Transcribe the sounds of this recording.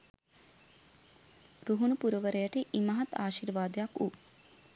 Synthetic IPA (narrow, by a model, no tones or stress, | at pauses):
ruɦunupuɾəʋəɾəjəʈəʔimɐɦat̪aːʃiɾʋaːd̪əjaku